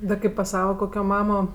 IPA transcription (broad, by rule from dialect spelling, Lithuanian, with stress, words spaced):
dɐ ˈkɐɪp pɐs ˈsɑːʋɐ ˈkoːkʲoː ˈmɑːmoː